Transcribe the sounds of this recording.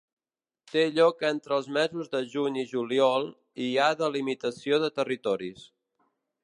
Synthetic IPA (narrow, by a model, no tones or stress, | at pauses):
t̪eʎɔkent̪ɾəːlˠzmɛzuzðəʒuɲiʒuliɔlˠ | iaðəlimit̪əsioðət̪ərit̪ɔɾis